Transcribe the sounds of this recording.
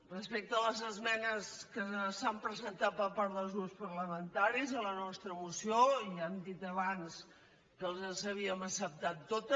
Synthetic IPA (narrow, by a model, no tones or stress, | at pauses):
rəspek̚t̪əːləzəzmɛnəskəsampɾəzənt̪at̪̚pəɾpaɾðəlˠzðuwspəɾləmənt̪aɾizələnɔst̪ɾəmusioiɛmd̪it̪əβans | kəlˠzəsəβ̞iəməsəp̚t̪at̪ːot̪ə